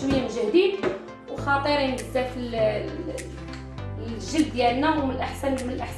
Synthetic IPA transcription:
wəjːæmʒæd̪id̪ | wxɑt̪ˤəɾjnɡəzːæfi | ʒəld̪ːjælnæwmənəlʔəħsænmənəlʔəħs

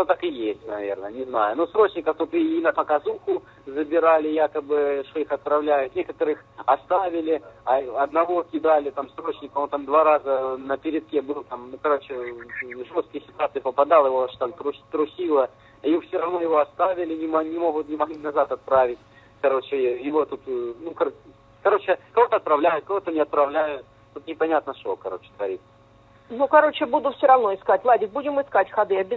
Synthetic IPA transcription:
not̪akɨjesʲtʲnɐvʲḛrnənʲɪznajʊnusɾo̞t͡ɕnʲɪkəft̪ut̪ɨinɐpəkɐzuxʊ | zəbʲɪɾalʲɪjakəbɨʂt̪o̞ixɐt̪̚pɾɐvlʲæjʊt̪nʲekət̪əɾɨxɐst̪avʲɪlʲɪɐɐd̪nɐvo̞kʲɪd̪alʲɪt̪amsɾo̞t͡ɕnʲɪkəont̪amd̪vaɾazənəpʲɪɾʲɪt̪̚kʲebɨlˠt̪amnʊkɐɾo̞t͡ɕɪʐost̪kʲɪjsʲɪt̪ʊat̪sɨɪpəpɐd̪alˠjɪvoaʂt̪amt̪ɾʊt̪ɾʊsʲilˠə | jfsʲoɾɐvnojɪvo̞ɐst̪avʲɪlʲɪnʲɪmnʲɪmo̞ɣʊt̪nʲɪmɐɣlʲinɐzat̪ɐt̪̚pɾavʲɪtʲ | kɐɾo̞t͡ɕɪjɪvo̞t̪ut̪nukɐ | kɐɾo̞t͡ɕɪkɐvo̞t̪əɐt̪̚pɾɐvlʲæjʊt̪̚kɐvo̞t̪ənʲɪɐt̪̚pɾɐvlʲæjʊt̪̚ | t̪ut̪nʲɪpɐnʲat̪nəʂokɐɾo̞t͡ɕɪ̥t̪əvɐɾʲit̪ | nukɐɾo̞t͡ɕɪbud̪ʊfsʲoɾɐvno̞ɪskatʲvlˠadʲɪkbudʲɪmɨɪskatʲxɐd̪ɨɐbʲɪ

